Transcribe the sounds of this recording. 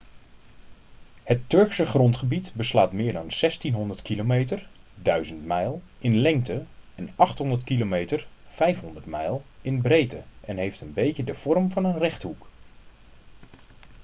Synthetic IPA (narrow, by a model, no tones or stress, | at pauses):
hətːɵɹksəχrɔntχəbitbəslaːtmɪːɹdɑnsɛstinɦɔndəɹtkilomejtəɹ | dœɥzəntmɛjlˠ | ʔɪnlɛŋktəɛnɑχtɦɔndətkilomejtəɹfɛjfɦɔndəɹtmɛjlˠɪnbrejtəʔɛnɦejftənbejcədəv̥ɔrmvɑnənrɛχtɦuk